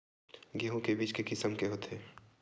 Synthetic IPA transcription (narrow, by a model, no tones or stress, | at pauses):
ɡiɦõkebiːt͡ʃkekɪsəmkeɦoːt̪ɦeː